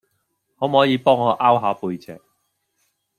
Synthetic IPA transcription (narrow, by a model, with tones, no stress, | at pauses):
ŋɔː˨˧m̩˨ɔː˨˥jiː˨˧pɔː˥ŋːɔː˨˧ʔaː˥wɦaː˨˧puː˧jt͡sɛ̰ː˨˩k̚